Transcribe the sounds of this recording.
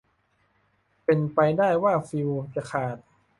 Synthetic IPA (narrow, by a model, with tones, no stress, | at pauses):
pe˧npa˧jdaː˥˩jwaː˥˩fi˧wt͡ɕa˨˩kʰaː˨˩t̪̚